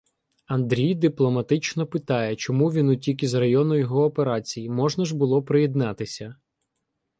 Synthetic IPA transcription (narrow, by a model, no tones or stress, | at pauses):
ɐnd̪ɾʲijd̪ɪplˠɔmɐt̪ɪt͡ʃnɔpɪt̪ɑjɛt͡ʃɔmuʋʲinʊtʲikʲizrɐjɔnʊjɔɦɔːpeɾɑt͡sʲijimɔʒnɐʒbʊlˠɔpɾɪjɛd̪nɑt̪ɪsʲɐ